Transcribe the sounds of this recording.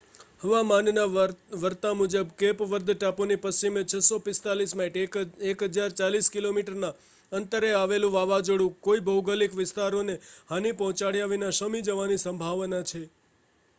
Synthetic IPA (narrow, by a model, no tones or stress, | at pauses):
həʋamannaʋəɾt̪amud͡ʒəbkepʋəɾd̪ʱʈaponipəst͡ʃimet͡ʃʰəsopɪst̪alismaiʈekɦəd͡ʒaɾt͡ʃaliskilomiʈəɾna | ənt̪əɾeaʋelũʋaʋad͡ʒoɽũkoibʱəwɡəlikʋɪst̪aɾonehanipɔ̃ɦɔ̃t͡ʃaɽjaʋinaʃəmid͡ʒəʋanisəmbʱaʋnat͡ʃʰe